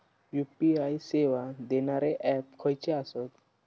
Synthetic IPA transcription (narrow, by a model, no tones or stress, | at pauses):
jupiajseʋad̪enaɾeʔɛp̚kʰɔjt͡ɕeasɔt̪